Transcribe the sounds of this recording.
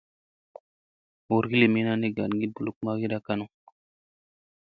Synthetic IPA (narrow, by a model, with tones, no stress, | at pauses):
wo˨ɾɡi˦le˨mi˦na˦ne˦ɡa˨nɡi˦bu˨lu˦k̚ma˦ɡi˦ɾa˦ka˦nu˦